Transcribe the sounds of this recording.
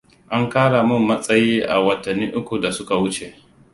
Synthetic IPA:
ʔa˦ŋkaː˦ɽa˨mʊ˦mːɐ˦sʼɐ˦jiː˦ʔa̰˨wɐ˨tɐ˨nːiː˦ʔʊ˦kʷu˨da˨sʊ˦ka˨wʊ˦t͡ʃe˨ʔ

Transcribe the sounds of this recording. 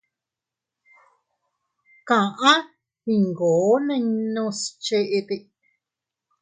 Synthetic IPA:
kã˨ʔã˦ | hi˧ŋɡoː˨˦nẽ˦˧ɲnũ˧st͡ʃe˧ʔe˧t̪e˧

